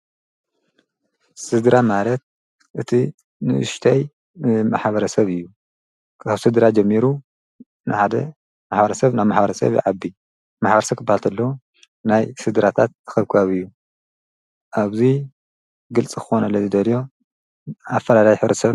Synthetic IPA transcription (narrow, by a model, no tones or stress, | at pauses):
sɨd̪ɾamalɐt̪̚ | ʔɨt̪ʰi | nɨ̰ʔɨ̰ʃt̪ʰaj | ɨmaħbɐɾɐsɐβɨjːu | kʰaβsɨd̪ɨɾad͡ʒɛmːiɾu | nɨħad̪ɐ̰ | maħbɐɾɐsɐβnaβmaħbɐɾɐsɐ̰βj̰ʕabːi | maħbɐɾɐsɐβk̪ʰɨbːahalt̪ʰɐlːɐu | najsɨd̪ɨɾat̪ʰat̪̚ɨxɐβkʰɨβaβɨjːu | ʔaβzi | ɡɨlt͡sʼikʰɨ̥xonɐlːɐzɨd̪ɐljo̞ | afːɐlalajħɨβɾɐsɐ